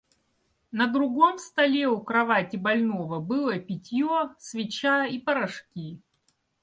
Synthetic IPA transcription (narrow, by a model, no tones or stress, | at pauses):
nəd̪ɾʊɡo̞mst̪ɐlʲeʊkɾɐvatʲɪbɐlʲnovəbɨlˠəpʲɪtʲjosvʲɪt͡ɕaipəɾɐʂkʲi